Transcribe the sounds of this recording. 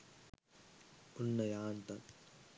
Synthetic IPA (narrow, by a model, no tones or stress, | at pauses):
unːɐjaːnt̪ɐn